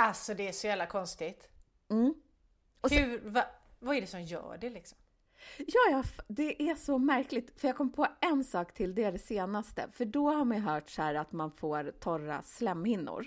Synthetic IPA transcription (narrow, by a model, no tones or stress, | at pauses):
alsɔd̪ɛæʂɔjæːvlakʰɔnst̪ɪɡt̪ | m̩ː | ɔhʉvavaɛɖɛsɔmjœ̰ːɖɛlɪksɔ̥m | jɑːjɑfd̪ɛʔæʂɔmæɾklɪɡ̚t̪fœɾjɑːɡ̚kʰɔmːpʰoːɛnsɑːkt̪ʰɪld̪ɛd̪ɛseːnast̪ə̰fœɖɔhaɾmajɦœːʈshæːɾat̪manfoːɾt̪ʰɔɾa̰slɛmːhɪnːʊ̰ɾ